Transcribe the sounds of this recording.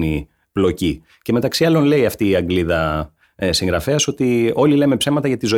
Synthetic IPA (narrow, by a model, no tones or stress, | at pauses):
ni | plo̞ci | ceme̞t̪ɐksiɐlo̞nle̞iɐft̪iːɐŋɡliðɐ | siŋɡɾɐfe̞ɐso̞t̪io̞lile̞me̞pse̞vmɐt̪ɐʝɐt̪izo